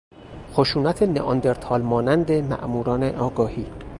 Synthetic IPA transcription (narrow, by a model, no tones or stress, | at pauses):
xoʃuːnæt̪ʰeneʔɒnd̪eɾt̪ʰɒːlmɒːnænd̪emæ̰ʔmuːɾɒːneʔɒːɡɒːhiː